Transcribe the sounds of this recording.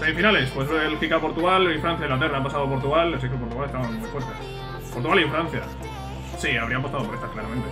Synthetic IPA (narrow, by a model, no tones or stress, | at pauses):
semifinalespwesβeelxikapo̞ɾt̪uɣalifɾanθjaiŋlat̪erapasaðop̬o̞ɾt̪uɣalas̬iekepo̞ɾt̪uɣalest̪aβammujfweɾt̪es | poɾt̪uɣalieɱfɾãn̟θja | siaβɾiapo̞st̪aðo̞poɾet̪ḁsklaɾamẽnt̪e